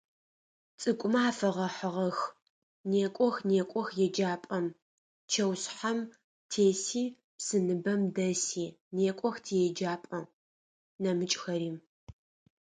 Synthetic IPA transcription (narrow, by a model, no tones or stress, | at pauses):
t͡sʼɨkʷʼʊmaaːfɐʁɐħəʁɐx | neːkʷʼɔxneːkʷʼɔxjɛd͡ʒaːpʼɐm | t͡ʃʰɐwsħam | tʰeːsiː | psɨnɨbɐmdɐsiːneːkʷʼɔxtʰiːjɛd͡ʒaːpʼɐ | nɐmɨt͡ʃʼxɐɾiːm